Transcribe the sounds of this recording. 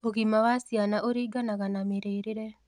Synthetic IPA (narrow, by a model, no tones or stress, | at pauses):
oɣimawasijanaʔoɾiːɡanaɣanameɾeːɾeɾɛ